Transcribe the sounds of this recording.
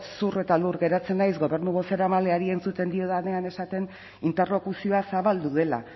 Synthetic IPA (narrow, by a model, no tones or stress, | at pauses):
sure̞t̪aluɾɣe̞ɾat͡se̞nːajsɣo̞βe̞ɾnuɣo̞seɾamaleaɾie̞nt͡sut̪e̞nd̪io̞ðaneane̞sat̪e̞n | int̪e̞rlo̞kusio̞asaβald̪uðe̞la̰